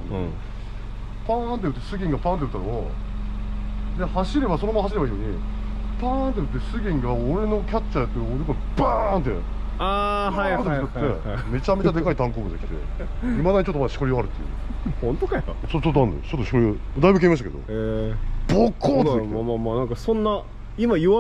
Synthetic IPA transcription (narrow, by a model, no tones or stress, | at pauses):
ñ | pãnt̪ejɯ̟t̪ːesɨɡʲĩŋɡapãːnt̪eɯ̟t̪ːanoo | d̪e̞haɕiɾe̞baso̞nomanːhaɕ̬iɾebaiːoːɲ̟i | pãnt̪̬ːeɯ̟t̪ːe̞sɨɡʲĩŋɡaoɾe̞no̞kʲat͡ɕːat̪ːeoɾed̪koopant̪e | aɦat̪eḛ | me̞t͡ɕame̞t͡ɕad̪e̞kait̪ãŋkoːbɯ̟̃d̪ekʲi̥t̪e̞̰imad̪aɲit͡ɕot̪ːomaaɕi̥koɾioaɾɯ̟t̪ːejɯ̰hõnt̪okaaka̰t͡ɕot̪ːt͡ɕot̪ːoãnḛo̰t͡ɕot̪ːoɕi̥koɾiod̪aibɯ̟k̬eimaɕ̬t̪aked̪o̰eb̥okʰːoːt̪ekeamamaːnãŋkasõ̞nːa | imaɯa